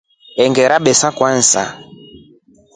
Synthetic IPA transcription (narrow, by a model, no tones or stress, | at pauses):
ɛŋɡɛɾaɓɛsakwan̩sa̰